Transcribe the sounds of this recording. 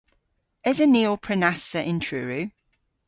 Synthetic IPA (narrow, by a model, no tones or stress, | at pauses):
ɪzəniːlˠpʰɹ̥ənasəʔɪ̃ntʰɹ̥ʉːɹʉː